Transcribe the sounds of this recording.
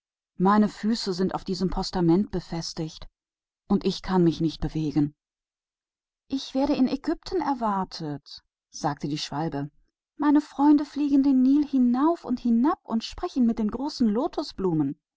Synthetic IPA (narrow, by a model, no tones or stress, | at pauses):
maɪnəfyːsəzɪntaʊfd̥iːzəmpʰɔstamɛnt̚b̥əfɛstɪçt | ʔʊntɪçkʰanmɪçnɪçt̚b̥əveːɡn̩ | ʔɪçv̥eːɐɾəɪnɛɡʏp̚tʰn̩ɛɐvaɐtʰət | z̥aːk̚tədiːʃv̥albə | maɪnəfʁ̥ɔʏndəfliːɡn̩deːnːiːlhɪnaʊfʊ̰nthɪnapʊ̰ntʃpʁ̥ɛçn̩mɪt̚d̥eːnɡʁoːsn̩loːtʰɔsb̥luːmən